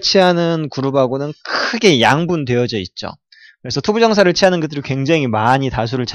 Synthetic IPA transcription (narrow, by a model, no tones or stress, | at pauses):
t͡ɕʰianɯnkuɾubaɡonɯnkʰɯɡe̞jaŋbundwe̞ʌd͡ʑʌit̚t͡ɕ͈o̰ | kɯɾe̞sʰʌtʰobud͡ʑʌŋsʰaɾɯɭt͡ɕʰiɦanɯnɡɯtdɯɾikwe̞ŋd͡ʑaŋimaɲitas̬ʰuɾɯɭt͡ɕʰ